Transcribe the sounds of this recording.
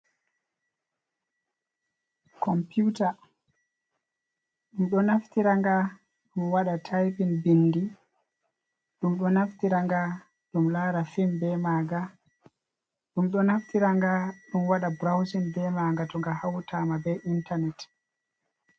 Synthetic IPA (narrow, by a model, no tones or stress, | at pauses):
kɔmputa | ɗumɗɔnaftiɾaŋɡa | ɗumwaɗatʰajpinbinːdi | ɗumɗɔnaftiɾaŋɡa | ɗumlaːɾafimbɛmaːɡa | ɗumɗɔnaftiɾaŋɡaɗumwaɗabɾawsinbɛmaŋɡatɔŋɡahawtʰamabɛintanɛt